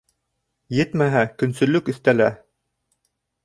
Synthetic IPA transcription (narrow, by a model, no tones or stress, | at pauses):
jɘt̪mæɦækɵ̆nsɵ̆lɵkɵ̆θt̪ælæ